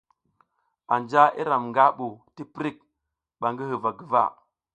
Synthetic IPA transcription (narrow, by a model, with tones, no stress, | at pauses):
a˨nd͡ʒa˦ʔḭ˦ɾa˨mŋɡa˦ɓu˨ti˦pɾi˦˨k̚ | ɓa˨ŋɡi˦hə˨va˨ɡi˨va̰˦˨